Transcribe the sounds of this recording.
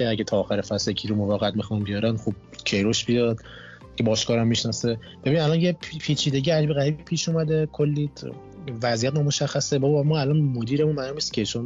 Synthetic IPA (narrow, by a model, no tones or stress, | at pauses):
eæɟet̪ʰɒːxæɾefæsecʰiːɾomovæɣæt̪̚mixɒnbijɒɾænχub̚cʰe̞jɾoʃbijɒːd̪̥ | cʰe̞bɒːʃkʰɒːɾæmːiʃnɒse | b̥binid̪ælɒnjepʰpʰiːt͡ʃʰiːd̪e̞ɡɟiːæd͡ʒbiɣæɾibipʰiːʃumæd̪ekʰolːi | væziæt̪nɔːmoʃæxːæsebɒbmɒːælɒnmod̪iːɾemũnmænumiscʲʰet͡ʃʰon